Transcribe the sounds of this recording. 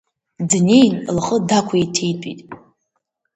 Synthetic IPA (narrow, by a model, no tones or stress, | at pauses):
dnejnlaχʼədakʷʰaetʰejtʷʼitʼ